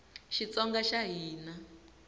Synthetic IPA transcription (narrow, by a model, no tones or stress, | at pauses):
ʃit͡sɔŋɡaʃaɦiːna